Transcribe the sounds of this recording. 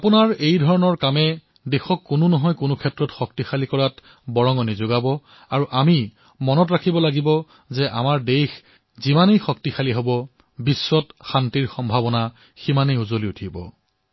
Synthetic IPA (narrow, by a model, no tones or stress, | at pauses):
apʊnaɹejdʱɔɹɔnɔɹkamɛ | dexɔkːʊnʊnɔɦɔjkʊnʊkʰɛtɹɔtxɔk̚tixalikɔɹat | bɔɹɔŋɔnizoɡabɔ | aɹuʔami | mɔnɔtɹakʰibɔlaɡibɔ | zɛʔa̰maɹdejx | zimanejxɔktixaliɦobɔ | bisːɔtxantiɹxɔmbʱabɔna | ximanejuzoliutʰibɔ̰